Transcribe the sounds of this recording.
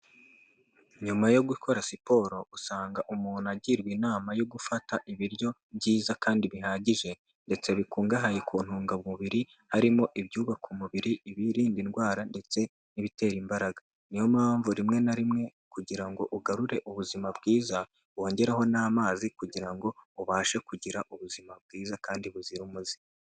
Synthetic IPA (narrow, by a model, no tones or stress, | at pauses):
ɲumajo̞ɡukʰo̞ɾasipo̞ːɾo̞usaːŋɡaʔumuːnaɟiɾɡwinaːmajo̞ɡufataʔiβiɾjo̞ | bɟiːzakaːndiβiɦaːɟiʒe̞ | nde̞t͡se̞βikuːŋɡaɦajekʰuːn̥huːŋɡaβuβiɾi | haɾimo̞ʔiβjuːβakumuβiɾiiβiɾiːndinɡwaːɾande̞t͡se̞ | niβite̞ːɾimbaɾaɡa | nijo̞maːɱvuɾimŋe̞naɾimŋe̞ | kuɟiɾaŋɡo̞ʔuɡaɾuɾe̞ʔuβuzimabɡiːza | βo̞ːɲɟe̞ɾaɦo̞naːmaːzikuɟiɾaŋɡo̞uβaːʃekuɟiɾaʔuβuzimab̚ɡiːzakaːndiβuziɾumuzi̥